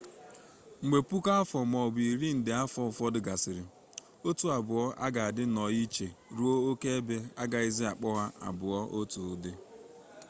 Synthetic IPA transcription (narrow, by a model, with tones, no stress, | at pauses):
ŋ͡m̩˨ɡ͡be˨pu˦ka˦a˦fɔ˨m˨ɔ˨bi˨ɾi˦n̩˨dɪ˨a˦fɔ˦˨fɔ˦dɪ˨ɡa˨sɪ˨ɾɪ˨ | o˦tu˦˨a˨bʊ˨ɔ˦ʔa̰˦ɡa˨a˨dɪ˦nɔ˨ji˦t͡ʃe˨ɾu˦o˦o˦ke˦e˦be˦a˦ɡa˨i˦zɪ˦a˨k͡pɔ˦ɣa˦ʔa̰˨bʊ˨ɔ˦ʔo˦tu˨˦dɪ˦